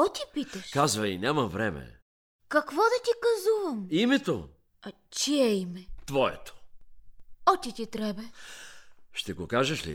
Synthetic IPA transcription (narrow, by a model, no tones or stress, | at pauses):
ɔt̪ʲipitɐʃkazvɐinʲamɐvɾɛmɛ̰ | kɐkvɔd̪ɐt̪ʲikɐzuvɐmimɛt̪o̰ | ɐ | t͡ʃiɛimɛt̪vɔɛ̰t̪o̥ | ɔt̪ʲit̪ʲit̪ɾɛbɛ | ʃt̪ɛɡokaʒɐʃlḭ